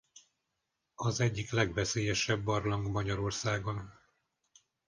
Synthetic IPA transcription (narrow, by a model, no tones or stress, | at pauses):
ɒzɛɟːiklɛɡvɛseːjɛʃɛbːɒrlɒŋɡmɒɟɒɾo̞rsaːɡon